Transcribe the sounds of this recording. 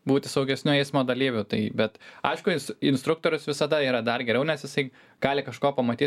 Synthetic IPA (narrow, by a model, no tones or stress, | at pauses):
buːt̪ʲɪsɐʊɡʲɛsʲnʲuɛɪsmoːd̪ɐlʲiːʋʲʊt̪ɐɪbʲɛt̪ɐ̰ɪʃkʊɪnsɪnst̪ɾʊk̚t̪oːɾʲʊsʋʲɪsɐd̪ɐiːɾɐd̪ɐrɡʲɛɾʲɛʊnʲɛsjɪsɐɪ | ɡ̥ɑːlʲɪkɐʃkoːpɐmɐt̪ʲiː